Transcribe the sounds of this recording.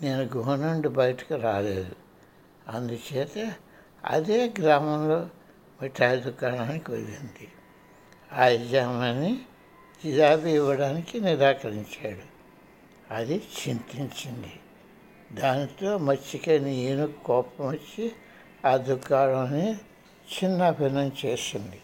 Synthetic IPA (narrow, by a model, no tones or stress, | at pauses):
ne̞ːnuɡuɦɐnɐɳɖubɐjɐʈɐ̥kiɾaːle̞ːd̪u | ɐnd̪ut͡ʃɛːt̪ɐ | ɐ̰d̪eːɡɾaːmɐmlo̞ː | miʈʰːaːjɐd̪ukaːɽaːnikiʋɐlind̪i | aːjd͡ʒaːmɐni | t̪id͡ʒaːbiiʋːɐɽaːnikiniɾaːkɐɾiɲt͡ʃaːɽu | ɐd̪it͡ʃint̪iɲt͡ʃind̪i | d̪aːnit̪o̞ːmɐt͡ʃːikɐnieːnukɔːpɐmɐt͡ʃːi | aːd̪ukaːɭɐmɐni | t͡ʃinːɐbʱinɐmt͡ʃe̞ːsind̪i